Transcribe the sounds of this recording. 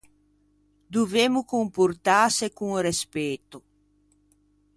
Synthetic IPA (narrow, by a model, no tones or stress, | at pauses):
d̪uvemʊkompuɾt̪asekuŋrespet̪ʊ